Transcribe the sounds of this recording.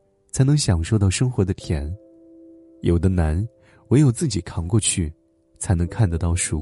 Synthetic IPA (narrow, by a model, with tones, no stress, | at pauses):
t͡sʰa˧˥ɪnɤ˧˥ŋɕjɑ˨˩ŋʂo˥˧ʊt̪ɑ˥˩ʊʂɤ˥ŋxwɔ˧˥d̪ə˧t̪ʰjɛ˧˥n | jo˨˩ʊd̪ə˦na˧˥n | we˧˥ɪjo˨˩ʊt͡sɹ̩˥˩t͡ɕi˨˩kʰɑ˨˥˩ŋkwɔ˥˧t͡ɕʰy˥˩ | t͡sʰa˧˥ɪnɤ˧˥ŋkʰa˥˩nd̪ə˧˩t̪ɑ˥˩ʊʂu˨˩